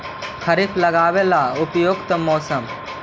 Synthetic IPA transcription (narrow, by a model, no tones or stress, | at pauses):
kʰɐɾikʰlɐɡaːʋelaʊpjoɡt̪ɐmɔːsəm